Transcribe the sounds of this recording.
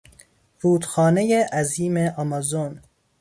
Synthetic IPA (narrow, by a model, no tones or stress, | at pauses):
ɾuːd̪xɒːnejeʔæziːmeʔɒmɒzon